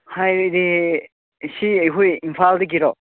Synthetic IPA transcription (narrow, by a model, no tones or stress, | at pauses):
hajɾi | siejɦujimpʰaldeɡiɾɔ